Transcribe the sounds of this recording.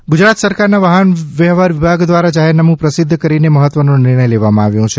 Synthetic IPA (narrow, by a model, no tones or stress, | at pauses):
ɡud͡ʒɾat̪səɾkaɾnaʋaɦənʋɛɦʋaɾʋibʱaɡd̪ʋaɾad͡ʒaɦɛɾnamũpɾəsɪd̪ʱːkəɾineməɦət̪ʋənõnɪɾɳ̃əjleʋamãaʋjũt͡ʃʰe